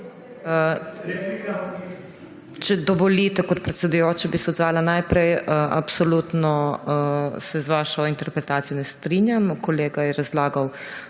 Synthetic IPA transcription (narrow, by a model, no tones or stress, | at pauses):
t͡ʃɛd̪ɔʋɔlit̪ɛkɔt̪̚pɾɛt̪sɛd̪ujoːt͡ʃabisɛɔd̪zʋaːlanajpɾɛjəʔa̰psɔlut̪nɔ | sɛzʋaːʃɔint̪ɛɾpɾɛt̪aːt̪ijɔnɛst̪ɾinjamkɔleːɡajɛɾazlaːɡaw